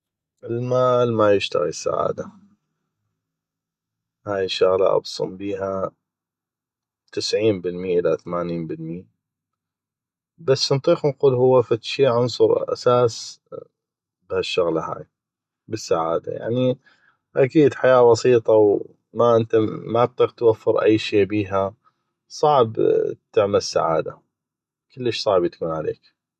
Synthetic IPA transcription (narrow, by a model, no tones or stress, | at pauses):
ʔɪlmaːlmajɪʃt̪a̰ɣḭsːa̰ʕa̰ːd̪a | haːjɪʃːʊɣla̰ʔɑ̰bsˤʊ̰mbiːɦa | t̪ɪsʕiːnbɪlmjːaʔɪlaθamaːniːnbɪlmɪjːa | basːnt̪ˤiːxnquːlhʊwːafat̪ʃiːʕɑnsˤʊɾʔa̰saːs | bhaʃːʊɣlaha̰ːj | bəsːaʕa̰ːd̪a̰ja̰ʕni | ʔakiːd̪ħajaːbɑsiːt̪ˤɑw | maʔɪnt̪amat̪ˤːiːqt̪wafːɪɾʔa̰jːʃiːbiːɦa | sˤɑʕbt̪ɪʕmalsːa̰ʕa̰ːd̪a̰ | kəlːəʃsˤɑʕbt̪ḁkuːnʕalḛːk